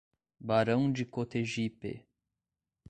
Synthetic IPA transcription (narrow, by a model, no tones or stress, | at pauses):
baɾɐ̃w̃d͡ʒɪkot̪eʒipḛ